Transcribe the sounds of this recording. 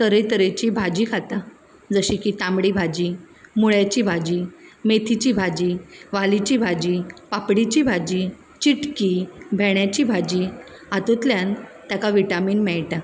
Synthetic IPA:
t̪əɾet̪əɾet͡ɕibʱad͡ʑiːkʰat̪a | d͡zəɕikiʈ̪ãmɽibʱad͡ʑi | muɭjat͡ɕiːbʱad͡ʑiːmet̪ʰit͡ɕiːbʱad͡ʑiːʋalit͡ɕibʱad͡ʑiːpapɽit͡ɕiːbʱad͡ʑi | t͡ɕiʈkibʱɛɳjat͡ɕiːbʱad͡ʑi | at̪ut̪ljant̪jakaʋiʈamiːnmɛɭʈa

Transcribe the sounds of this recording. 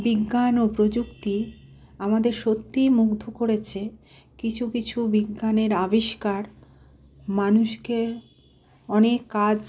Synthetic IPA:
biɡːanopɾod͡ʑukt̪i | amad̪eɾʃot̪ːimuɡd̪ʱokoɾet͡ɕʰe | kit͡ɕʰukit͡ɕʰubiɡːaneɾabiʃkaɾ | manuʃke | ɔnekːad͡ʑ

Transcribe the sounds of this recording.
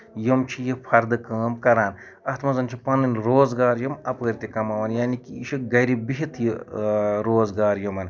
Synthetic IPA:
jumt͡ʃʰijipʰɐɾd̪ɨkɐːmkɐɾaːn | ɐht̪ʰmɐzɐnʲt͡ʃʰipɐnɨnʲɾoːzɡaːɾjɐmɐpəːɾʲt̪ikɐmɐʋɐnjaːnikiiʃiɡɐɾibiɦit̪ʰji | ɾoːzɡaːɾjumɐn

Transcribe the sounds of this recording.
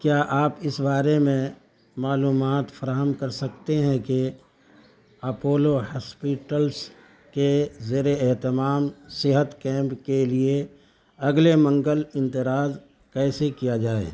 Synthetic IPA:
kjaːʔaːpɪsbaːɾemẽ | maːluːmaːt̪fʰɐɾaːɦəmkɐɾsɐkt̪eɦɛ̃ke | ɐpoːlohaːspiːʈəls | kezeːɾeɛɦt̪ɪmaːmsɪɦət̪kɛ̃ːmpkelie | ɐɡlemɐ̃ŋɡəlɪ̃nt̪ɪɾaːz | kɛːsekijad͡ʒaːḛː

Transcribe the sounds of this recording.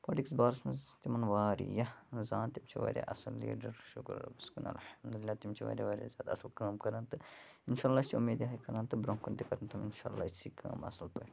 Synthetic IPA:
pɐːʈiksbaːɾsmet̪imɐnʋaːɾḭjɐzaːnt̪imt͡ʃʰiʋa̰ːɾʲja̰ːʔɐsɐlːḭːɖɐɾʃʊkɾ̰ɐ̰biskunɐ̰lħɐmd̪ulilːaːt̪imt͡ʃʰiʋa̰ːɾʲja̰ːʋaːɾʲja̰zʲjaːd̪aɐsɐlkaːmkɐɾaːnt̪ɨ | inʃaːlːaːist͡ʃʰiumːeːd̪jaːikɐɾãnt̪ɨbɾõːkunt̪ikɐɾɐnt̪ʰɐminʃa̰ːlːa̰ːsiːkʰa̰ːmɐ̰sɐlpɐ̰

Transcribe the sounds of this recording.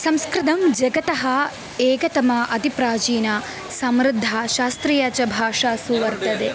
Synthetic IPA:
sɐmskɾɪt̪ɐmd͡ʒɐɡɐt̪ɐɦɐ | eːɡɐt̪ɐmɐʔɐd̪ipɾaːt͡ʃiːnɐ | sɐmɾɪd̪ʱːɐʃaːst̪ɾijɐt͡ʃɐbʱaːʂaːsuʋɐɾt̪ɐd̪e

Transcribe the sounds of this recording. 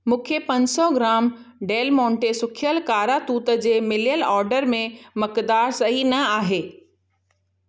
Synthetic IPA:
mũːkʰepɐ̃ɲsɔɡɾaːm | ɖeːlmɔ̃ːɳʈesʊkʰjəlkaːɾat̪uːt̪ə̆d͡ʑeːmɪljəlɔːɾɖəɾmẽmɐkd̪aːɾsɐɦinɐaːɦeː

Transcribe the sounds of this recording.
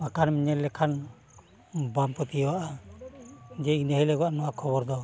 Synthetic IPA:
akʰanmiɲɛlːɛkʰan | bampɔt̪ijwaʔa | d͡ʒɛinəɦɛlɛɡwaʔnɔwakʰɔβɔɾd̪ɔ

